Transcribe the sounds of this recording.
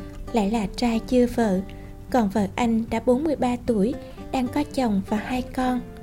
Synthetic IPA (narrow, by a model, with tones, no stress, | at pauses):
la̰ː˧˨jlaː˨˩t͡ɕaː˧jt͡ɕɨ˧əvə̰ː˧˨ | kɔ˨˩nvə̰ː˧˨ʔa˧jŋ̟ɗa̰ː˧˥ɓo˨˦nmɨ˧əjɓaː˧t̪u˧˩əj | ɗaː˧ŋkɔ˨˦t͡ɕə˨˩wŋ͡mvaː˨˩haː˧jkɔ˧n